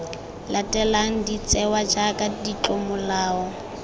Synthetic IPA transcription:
latʼɛlaŋ̩dit͡sʼɛwad͡ʒakʼadit͡ɬɔmʊlaːɔ

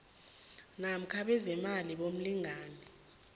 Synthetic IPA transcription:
nam̩kʰaɓɛzɛmaliɓom̩liŋʱaːnɛ

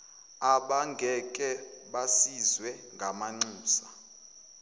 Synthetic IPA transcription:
aɓaŋɡʱɛkʼɛɓasizwɛŋɡʱamaŋ͡ǀuːsa

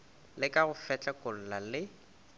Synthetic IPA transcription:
lɪkʼaɣʊfɛt͡ɬʼɛkʼʊl̩lalɪ

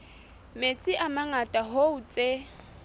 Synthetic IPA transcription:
met͡sʼɪʔamaŋatʼaɦoʊt͡sʼe

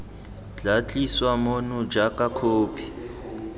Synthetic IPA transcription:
ɮat͡ɬʼiswamonʊd͡ʒakʼakʰoːpʰi̥

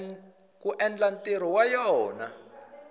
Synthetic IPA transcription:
kuʔɛnlantʼeɾ̤iwajɔːna̰

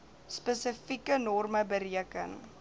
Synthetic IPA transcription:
spəsəfikənɔrməbəɾiəkə̰n

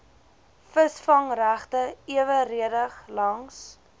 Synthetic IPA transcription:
fəsfɐŋræχtəiəvəriədəχlɐŋs

